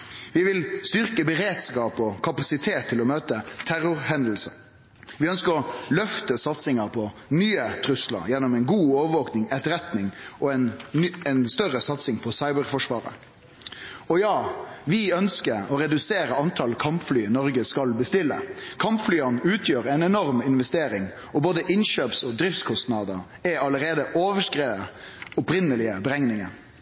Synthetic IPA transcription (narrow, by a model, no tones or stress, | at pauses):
ʋɪʋɪlst̪ʏʁkəbəɾeːd̪skɑːpɔkʰɑpɑsɪt̪ʰeːt̪ʰːɪlɔmøːt̪ət̪ʰæɾʊʁhɛnd̪l̩sə | ʋɪœnskəɾɔlœft̪əsɑt̪sɪŋɑpʰɔnyːət̪ʰɾʉslɑ̰ɾjɛnːɔmɛɪnɡuːɔːʋəʋɔːknɪŋɛt̪əɾɛt̪nɪŋɔɛnɛnst̪œɾəsɑt̪sɪŋpʰɔsɑɪbəʁfɔʂʋɑ̰ːɾə̰ | ɔjɑːʋɪœnskəɾɔɾɛd̪ʉseːɾəɑnt̪ʰɑlkʰɑmpflyːnɔɾɡəskɑlbəst̪ɪlːə̰kʰɑmpflyːɑnʉːt̪ʰjøːɾɛɪnɛnɔɾmɪnʋɛst̪eːɾɪŋ | ɔboːd̪əʔɪnʃøːpsɔd̪ɾɪft̪skʰɔst̪nɑd̪əɾ | ɛɑləɾeːd̪əʔoːʋəʂkɾeːəɔpɾɪnəlɪəbəɾɛŋnɪŋə̰n